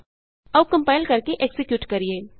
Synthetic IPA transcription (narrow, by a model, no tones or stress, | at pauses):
ɐʋkɐ̃mpaːɪlkɐɾkeʔeksɪkjuːʈkɐɾieː